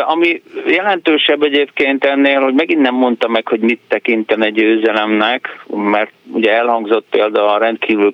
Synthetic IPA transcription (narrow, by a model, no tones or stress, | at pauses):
ɒmijɛlɛnt̪øːʃɛbːɛɟeːpkeːnt̪ɛnːeːlho̞ɟmɛɡinːɛmːo̞nt̪ɒmɛkho̞ɟmit̪ːɛkint̪ɛnɛɟøːzɛlɛmnɛkmɛrt̪uɟɛɛlhɒŋɡzo̞t̪̚peːld̪ɒlɾɛnt̪kʰiːvyl